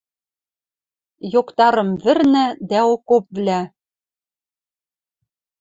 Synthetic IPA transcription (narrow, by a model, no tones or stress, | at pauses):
jokt̪ɑɾɤ̆mvɘ̆rnæ̆d̪æokop̚vlæ